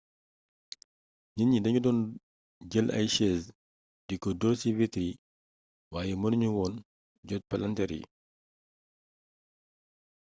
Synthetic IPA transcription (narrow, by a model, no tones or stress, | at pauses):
ɲinɲidɐɲudɔːn | ɟəlʔɐ̰jʃɛːs | dikɔdɔːsivitɾi | waːjɛmɐnuɲuwɔːn | ɟɔt̚pɐlɐntɛɾḭ